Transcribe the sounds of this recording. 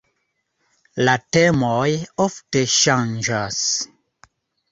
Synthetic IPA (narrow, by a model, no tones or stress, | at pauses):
latɛmɔjeɔftəʃãŋn̩d͡ʒas